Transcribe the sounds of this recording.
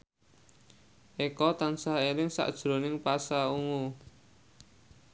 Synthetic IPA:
ʔekɔt̪ansaeɾɪŋsa̰ʔd̥ʒ̥ɾo̤nɪŋpasauŋu

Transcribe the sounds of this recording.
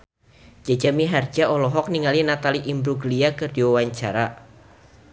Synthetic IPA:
d͡ʒ̥a̤d͡ʒamiɦard͡ʒaɔlɔɦɔk̚niŋalinat̪aliʔimbɾuɡəliakərd̥iwawaɲt͡ʃaɾa

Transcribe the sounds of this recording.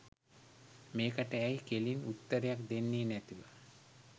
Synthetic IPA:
meːkəʈəæjkelinut̪ːəɾejakd̪enːeːnæt̪iʋə

